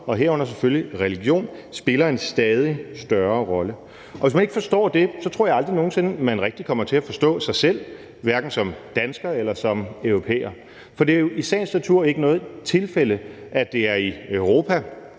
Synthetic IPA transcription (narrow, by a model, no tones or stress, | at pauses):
ɒ̽ɦeɐɔ̽n̰ɐseføljiʁɛliɡ̥jo̝̰ːnsb̥e̝lɐe̝nsd̥ɛːð̞ˠisd̥ɶɐʁɒ̽lə | ɒ̽ʋe̝s̬mæne̝ɡ̥fɒ̽sd̥ɔ̰ːd̥e̝sɒ̽t͡sʰʁo̝ɐ̰jɑ̈ld̥ʁino̝ːn̩se̝nmænʁɛɡ̥̚d̥ikʰɒ̽m̰ɐt͡sʰe̝æfɒ̽sd̥ɔ̰̽ːsɑ̈ɪsel̰ | ʋæɐɡ̥n̩sɒ̽md̥ænsɡ̥ɐelɐsɒ̽mœʊʁo̝pʰḛːɐ | fɒ̽d̥e̝æjo̝ʔisɛ̰ːnsnæt͡sʰuɐ̰e̝ɡ̥ənɔ̽ːð̩ˠt͡sʰe̝lfeləʔæd̥e̝æɐiœʊʁo̝ːpʰæ